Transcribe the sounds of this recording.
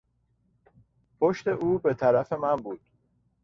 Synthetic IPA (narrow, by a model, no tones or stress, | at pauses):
pʰoʃt̪e̞ʔuːbe̞t̪ʰæɾæfe̞mænbuːd̪̥